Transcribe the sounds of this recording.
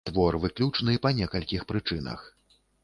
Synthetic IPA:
t̪vɔrvɨklʲut͡ʂnɨpɐnʲɛkɐlʲkʲixpɾɨt͡ʂɨnɐ̰x

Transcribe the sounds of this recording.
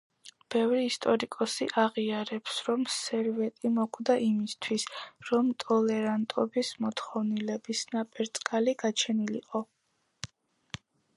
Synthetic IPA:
b̥ɛvɾiːst̪ʼɔɾikʼɔsiʔaʁiaɾɛpsɾɔmsɛɾvɛt̪ʼimɔɡʰʼd̪aʔimist̪ʰwisɾɔmt̪ʼɔlɛɾant̪ʼɔbismɔt̪ʰχɔvnilɛbisnapʼɛɾt̪sʼkʼaliɡat͡ʃʰɛnilḭqʼɔ

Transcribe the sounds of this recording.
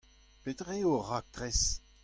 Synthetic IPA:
pet̪ʁeoʁak̚t̪ʁɛs

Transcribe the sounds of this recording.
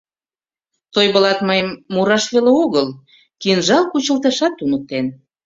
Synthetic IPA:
t̪ojβə̆lɑt̪məjəmːuɾɑʃβeleoɣəl | kinʒɑlkut͡ɕə̆lt̪eʃɑt̪ːunək̚t̪en

